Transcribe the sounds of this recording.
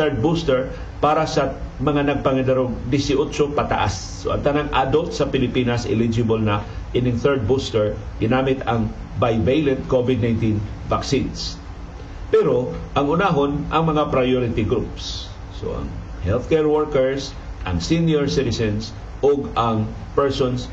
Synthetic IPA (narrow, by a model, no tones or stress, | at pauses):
θɛɹd̪̚bust̪ɛɹ | paːɾasɐmɐŋanɐɡ̚pɐŋɐd̪ɐɾoɡd̪ɪsɪʔut͡ʃopɐt̪a̰ʔa̰sːoʔɐ̰ŋt̪ɐnaŋʔad̪olt̪sɐpɪlɪpiːnɐsʔɪ̰lid͡ʒɪbolnɐʔɪnɪŋθɛɹd̪̚bust̪ɛɹɡɪnaːmɪt̪ɐŋ | bajvejlɛd̪̚kovɪd̪̚najnt̪invaksins | pɛɾoʔɐŋʊnaɦonʔɐŋmɐŋapɾɐjoɾɪt̪ɪɡɾupsː | o̰ʔɐ̰ŋ | hɛlθkɛɹwɛɹkɛɹs | ʔɐŋsinjoɹsɪt̪ɪsɛns | ʔoɡɐŋ | pɛɹsons